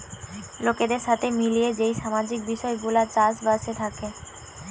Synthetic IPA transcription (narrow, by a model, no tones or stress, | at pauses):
loked̪eɾʃat̪ʰemilijed͡ʑejʃamad͡ʑik̚biʃɔeɡulat͡ɕaʃbaʃet̪ʰake